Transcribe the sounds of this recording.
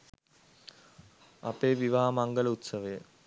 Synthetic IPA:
ɐpeːʋiʋaɦamaŋɡələut̪səʋəjə

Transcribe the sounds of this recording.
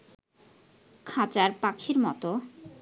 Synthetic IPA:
kʰat͡ɕaɾpakʰiɾmɔt̪o

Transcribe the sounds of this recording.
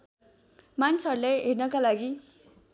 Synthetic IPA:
manisʌɾulajɦernʌkalaɡi

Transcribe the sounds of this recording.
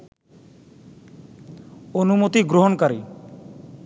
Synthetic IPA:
onumot̪iɡɾoɦonkaɾi

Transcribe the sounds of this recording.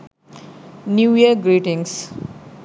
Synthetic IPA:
njuːiəɡɾiːʈɪ̃ŋs

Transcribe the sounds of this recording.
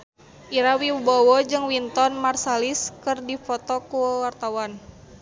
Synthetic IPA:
ʔiɾawiwubɔwɔd͡ʒɨŋwint̪ɔnmarsaliskɨrdifɔt̪ɔkuwart̪awan

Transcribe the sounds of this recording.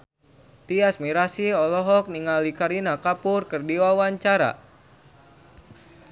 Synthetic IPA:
t̪iasmiɾasiɔlɔɦɔk̚niŋalikaɾinakapurkɨrdiwawaɲt͡ʃaɾa̰

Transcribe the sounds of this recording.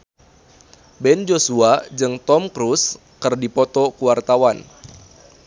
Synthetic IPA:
bɛnd͡ʒosuad͡ʒɨŋt̪ɔmkɾus | kɨrdipɔt̪ɔkuwart̪awan

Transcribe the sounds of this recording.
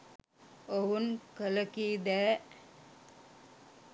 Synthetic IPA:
oɦunkələkiːd̪æː

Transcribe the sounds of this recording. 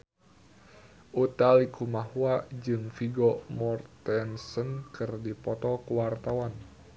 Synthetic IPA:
ʔut̪alikʰumahuad͡ʒɨŋfiɡɔmɔrt̪ɛnsənkɨrdipɔt̪ɔkəwart̪awan

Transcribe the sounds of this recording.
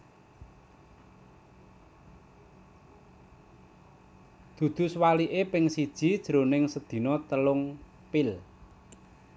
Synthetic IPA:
d̪̥ṳd̪̥ṳswaliʔepɪŋsid̥ʒ̥i̤d̥ʒ̥ɾo̤nɪŋsəd̪̥i̤nɔt̪əlʊŋ | pɪl

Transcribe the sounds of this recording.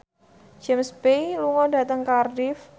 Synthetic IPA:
d͡ʒɛmsbeluŋɔda̤t̪əŋkardɪf

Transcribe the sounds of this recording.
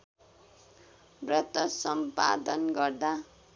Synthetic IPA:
brʌt̪ʌsʌmpa̰d̪ʌnɡʌrd̪a

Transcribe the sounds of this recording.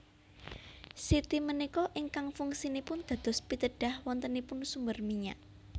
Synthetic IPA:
sit̪imənikɔʔiŋkaŋfuŋsinipʊnd̪̥a̤d̪̥ɔ̤spit̪əɖ̥a̤hwɔnt̪ənipʊnsumbərmiɲaʔ

